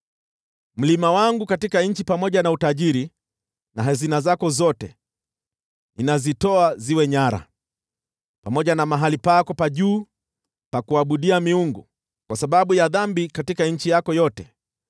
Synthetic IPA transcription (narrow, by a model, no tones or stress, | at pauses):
m̩limawaŋɡukatikaɲ̩t͡ʃipamɔʄanautaʄiɾi | naɦazinazakɔzɔtɛ | inazitɔaziwɛɲaɾa̰ | pamɔʄanamaɦalipakɔpaʄuː | pakuaɓuɗiamiuŋɡu | kwasaɓaɓujaðambikatikaɲ̩t͡ʃijakɔjɔtɛ